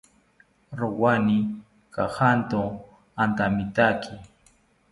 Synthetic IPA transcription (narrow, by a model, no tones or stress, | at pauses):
ɾowani | kahant̪o | ant̪amit̪akʰi